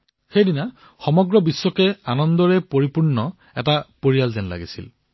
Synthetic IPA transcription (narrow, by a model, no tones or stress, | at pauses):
xejdina | xɔmɔɡɹɔbisːɔkɛanɔndɔɹɛpoɹipuɹnːɔ | ɛ̰tapoɹijalzɛnla̰ɡisḭl